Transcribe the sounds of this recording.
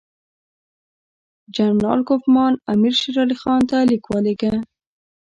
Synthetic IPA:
d͡ʒamɾɑ̰lkofmɑnamiɾʃeɾɑlixɑnt̪alikwɑleka

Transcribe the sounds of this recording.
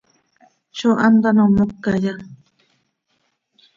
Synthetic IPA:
t͡ʃoʔand̪anomokːaja

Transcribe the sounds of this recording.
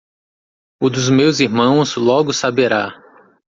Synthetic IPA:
ʊd̪ʊzmewziɾmɐ̃w̃zlɔɡʊsabeɾa

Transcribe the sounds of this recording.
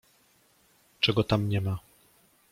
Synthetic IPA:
t͡ʂɛɡɔt̪amɲɛma

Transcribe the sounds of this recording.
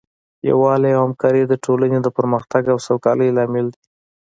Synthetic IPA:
ja̰wɑlajawhamkɑɾid̪əʈʰolaned̪əpəɾməxt̪aɡawsawkɑləjlɑmɪld̪i

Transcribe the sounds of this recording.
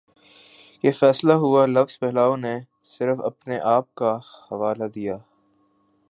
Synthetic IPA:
kefɛːslaɦʊalɐfz̥pɛɦlaːõne | sɪɾfɐ̰pneʔaːp̚kahɐʋaːlad̪ijaː

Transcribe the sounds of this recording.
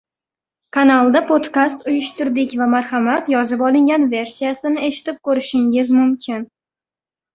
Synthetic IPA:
kʰanalˠd̪apʰod̪kast̪ʊjʊʃt̪ʊɾd̪ɪkʲvamaɾχamat̪jɒzɪpɒlˠɪŋɡʲanve̞ɾsijasɪnɪe̞ʃɪ̥t̪ɪp̚kɵɾɪʃɪŋɪzmʊmkʲʰɪn

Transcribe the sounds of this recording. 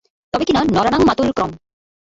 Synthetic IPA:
t̪ɔbekinanɔɾanaŋmat̪ulkɾɔm

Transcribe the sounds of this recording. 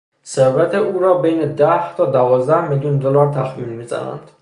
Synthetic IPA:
seɾvæt̪ʰeuːɾɒːbejned̪æht̪ʰɒːd̪ævɒːzd̪æhmeljund̪olɒɾt̪ʰæxmiːnmiːzæ̰næ̰nd̪̥

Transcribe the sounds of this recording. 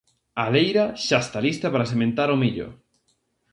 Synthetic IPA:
alejɾaʃaest̪alist̪ɐpaɾasemẽnt̪aɾʊmiʎʊ̰

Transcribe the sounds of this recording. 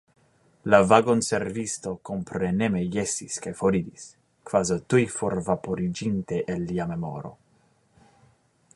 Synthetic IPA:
lavaɡonseɾvist̪okompɾenemejesiskajfoɾid̪is | kvazot̪ujfoɾvapoɾid͡ʒint̪eʔelːiamemo̰ɾo̰

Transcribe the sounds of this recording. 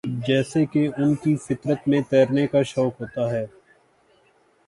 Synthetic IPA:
d͡ʒɛːsekeʊnkifɪt̪ɾət̪mẽt̪ɛːɾnekaʃɔːkɦoːt̪aɦɛː

